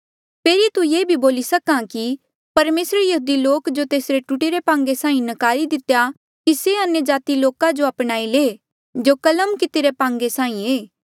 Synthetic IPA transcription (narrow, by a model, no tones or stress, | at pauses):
pʰeːɾit̪ujeːbʱiboːlisɐkãki | pɐɾmeːsɾəɾjɐɦuːd̪iloːkd͡ʒot̪eːsɾeʈuʈeɾepãːŋɡesãːĩnəkaːɾid̪ɪt̪ja | kiseɐnjəd͡ʒaːt̪iloːkãd͡ʒoɐpɽ̃aːileː | d͡ʒokɐləmkɪt̪eːɾepãːŋɡesãːĩeː